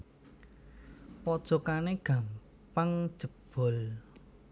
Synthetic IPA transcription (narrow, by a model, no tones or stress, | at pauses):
pɔd̥ʒ̥ɔ̤kaneɡ̥a̤m | paŋd̥ʒ̥ə̤b̥ɔ̤l